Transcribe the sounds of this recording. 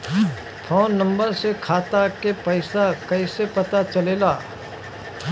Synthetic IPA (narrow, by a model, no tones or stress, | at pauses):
p̪ʰɔːnːɐ̃mbəɾsekʰaːt̪akepɐɪsakɐɪsepɐt̪at͡ʃɐleːlaː